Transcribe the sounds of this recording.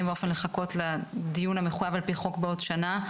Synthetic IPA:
mbeo̞fe̞nleχako̞tladijunameχujavalpiχo̞kbeo̞dʃana

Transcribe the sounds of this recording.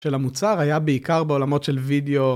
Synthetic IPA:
ʃelamut͡saʁajabeikaʁbeo̞lamo̞tʃelvid̪eo

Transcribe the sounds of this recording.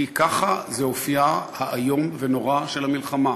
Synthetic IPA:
ikaχazeofijahaʔːjo̞mve̞no̞ʁaʃe̞lhamilχama

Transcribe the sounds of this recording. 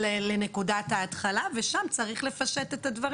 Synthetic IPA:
ele̞ne̞kudathaːt̪χalave̞ʃamt͡saʁiχle̞faʃet̪e̞t̪advɐʁ

